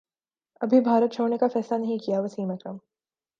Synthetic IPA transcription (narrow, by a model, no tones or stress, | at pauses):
ɐbʱibʱaːɾət̪̚t͡ʃʰoːɽnekafɛːslanɐɦĩkijaʋəsiːməkɾəm